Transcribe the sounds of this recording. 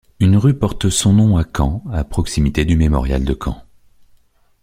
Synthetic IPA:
ynʁypɔʁt̪sɔ̃nɔ̃akʰɑ̃apχɔksimit̪ed̪ymemɔ̰ʁja̰ld̪əkʰɑ̰̃

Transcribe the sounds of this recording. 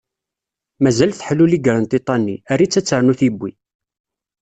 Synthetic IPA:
mæzælθħəlːuliɡɾˤənt̪it̪ˤːɑnːiærːit͡sːæt͡sːəɾˤnuθibːi

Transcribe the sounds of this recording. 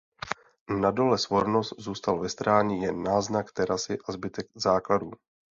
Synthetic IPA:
nado̞lɛsvo̞ɾnost̪zuːst̪alvɛst̪ɾaːɲijɛnːaːznakt̪ɛɾasɪʔazbɪt̪ɛɡzaːkladuː

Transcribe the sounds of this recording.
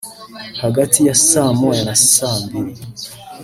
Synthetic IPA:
haɡatʰijasamojanassaːmbiɾi

